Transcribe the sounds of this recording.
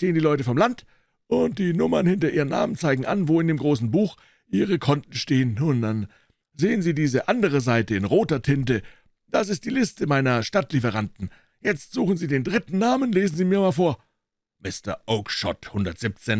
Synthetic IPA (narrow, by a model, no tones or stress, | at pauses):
teːəndiːlɔʏtəfɔmlant | ʔʊnt̚d̥iːnʊmɐnhɪntɐʔiːʁəna̰ːmənt͡saɪɡŋ̩ʔa̰nvoːɪndeːmɡʁoːsn̩buːx | ʔiːʁəkʰɔnt̚n̩ʃteːənʊntd̥an | zeːənziːdiːzəʔandəʁ̞əzaɪtəɪnʁoːtɐtʰɪntə | d̥as̬ɪst̚d̥iːlɪstəmaɪnɐʃtatlifəʁantn̩ | jɛt͡stz̥uːχn̩ziːdeːndʁɪtn̩naːmənleːzn̩ziːmiːɐmaːlfoːɐ | mɪstɐ̰ʔoʊkʃɔ̰thʊndɐtz̥ɪp̚t͡seːn